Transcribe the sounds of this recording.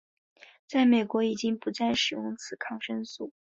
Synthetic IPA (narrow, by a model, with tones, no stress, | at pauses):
t͡sa˥˩ɪme˨˩ɪkwɔ˧˥i˨˩t͡ɕi˥ŋpu˧˥t͡sa˥˩nʂɻ̩˨˩jʊ˥˧ŋt͡sʰɹ̩˨˩kʰɑ˥˧ŋʂə˥nsu˥˩